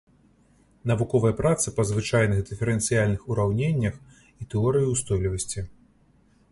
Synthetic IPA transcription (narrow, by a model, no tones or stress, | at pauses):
nɐvukɔvɐjɐpɾat̪sɨpɐzvɨt͡ʂajnɨɣd̪ɨfʲɛɾɛnt̪sɨjalʲnɨxuɾawnʲenʲːɐx | it̪ɛɔɾɨjuwst̪ɔjlʲivɐsʲt͡sʲi